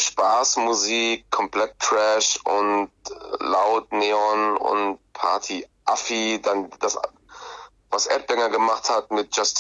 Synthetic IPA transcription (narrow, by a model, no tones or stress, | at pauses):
ʃpaːsmuziːkʰːɔmpl̥ɛt̚ʁ̥ɛʃʔʊntlaʊtneːɔnʊ̰nt̚pʰa̰ɐtʰiʔafidand̥as | vasʔɛ̰t̚b̥ɛŋɐɡəmaχthatmɪt̚d͡ʒ̥ast